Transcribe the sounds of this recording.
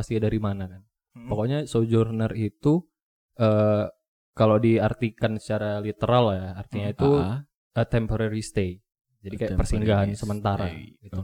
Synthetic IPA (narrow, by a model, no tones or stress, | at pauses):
ast̪idaɾimanakan | pokoɲasod͡ʒurnərit̪u | ə | kalodiart̪ikansə̥t͡ʃaɾalit̪əɾaljaart̪iɲait̪u | ət̪ɛmpoɾaɾist̪ei | d͡ʒadikajapərsiŋɡaɦansəmənt̪aɾaɡit̪u